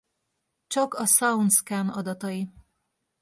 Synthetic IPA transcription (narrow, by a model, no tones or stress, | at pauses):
t͡ʃɒkɒsɒunt̪skaːnɒd̪ɒt̪ɒji